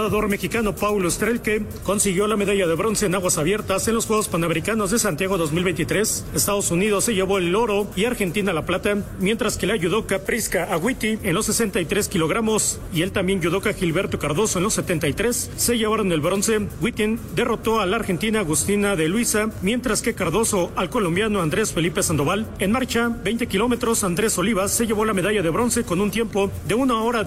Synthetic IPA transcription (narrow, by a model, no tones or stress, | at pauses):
ðaðo̞ɾme̞xikano̞pawloest̪ɾelke | ko̞nsiɣjo̞lame̞ðaʝaðeβɾo̞nse̞ːnaɣwasaβje̞ɾt̪asenlo̞sxwe̞ɣospanameɾikano̞zðe̞sant̪jaɣ̞o̞ðo̞zmilβe̞jnt̪it̪ɾe̞sest̪aðo̞sunið̞o̞sːe̞ʝe̞βo̞elo̞ɾo̞iaɾxe̞nt̪inalaplat̪amje̞nt̪ɾaske̞laʝuðokapɾiskaʔːɣwit̪ie̞nlo̞sːe̞se̞nt̪ajt̪ɾeskilo̞ɣ̞ɾamo̞s | ie̞lt̪ambje̞nɟ͡ʝuð̞o̞kaxilβe̞ɾt̪o̞kaɾðo̞so̞enlo̞sːe̞t̪e̞nt̪ajt̪ɾe̞sːe̞ʝe̞βaɾo̞ne̞lβɾo̞nse̞ɡwit̪ind̪e̞ro̞t̪o̞alaɾxe̞nt̪inaːɣust̪inaðe̞lwisamje̞nt̪ɾaske̞kaɾðo̞so̞alko̞lo̞mbjano̞and̪ɾe̞sfe̞lipe̞sand̪o̞βale̞nmaɾt͡ʃabejnt̪e̞kilo̞me̞t̪ɾo̞sand̪ɾe̞so̞liβasːe̞ʝe̞βo̞lame̞ð̞aʝaðe̞βɾo̞nse̞ko̞nunt̪je̞mpo̞ðe̞unao̞ɾa